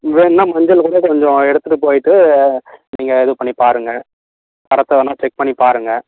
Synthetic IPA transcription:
ʋeːnːãːmɐɲd͡ʒɐlkuːɽɐkɔɲd͡ʒɔ̃ɛɽɯt̪ːɯʈːɯpoːjɪʈːɯ | niːŋɡɐɛðɯpɐɳːipaːɾɯŋɡɐ | kɐɾɐt̪ːɐʋɐnːaːt͡ʃɛk̚pɐɳːipaːɾɯŋɡɐ

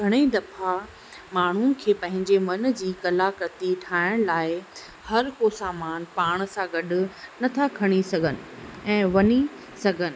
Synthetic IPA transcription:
ɡʱɐɽ̃eid̪ɐfa | maːɳ̤un̆kʰeːpɐ̃ɦɪ̃ɲd͡ʑemɐn̆d͡ʑiːkɐlakɾɐt̪iʈʰaːɪɽ̃laːɪ | hɐɾkosaːmaːnpaːɽ̃sãɡɐɗʊ̆nɐt̪ʰakʰɐɽ̃isɐɡʱənɪ̆ɛ̃ːʋɐni | sɐɡʱənɪ̆

